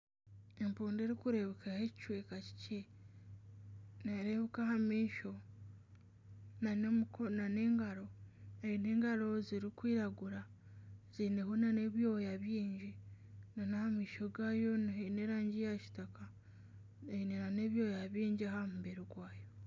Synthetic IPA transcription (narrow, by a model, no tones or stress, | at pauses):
e̞mpuːndeɾikuɾe̞βekahecit͡ʃwekaci̥ce | naɾeβekahamiːʃo | nanmkonaneːŋɡaɾo̞eine̞ːŋɡalo̞ziɾikwiːɾaɡuɾa | zine̞ɦonaneβjo̞jaβjiːɲɟi | nanahamiːʃoɡajo̞nneɾaːɲɟijaʃi̥taka | einenane̞βjo̞ːjaβjiːɲɟahamuβeɾiɡwaːjo̞